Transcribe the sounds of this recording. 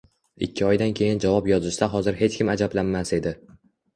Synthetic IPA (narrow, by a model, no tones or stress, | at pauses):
ɪ̰kʲʰːɪɒjd̪ankʲʰe̞jɪnd͡ʒavɒpjɒzɪʃd̪aɦɒzɪɾɦe̞t͡ʃkʲʰɪmad͡ʒablanːase̞d̪ɪ